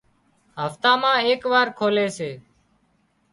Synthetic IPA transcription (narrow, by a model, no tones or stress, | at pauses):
ɦəft̪aːmãːeːkʋaːɾkʰoːleːseː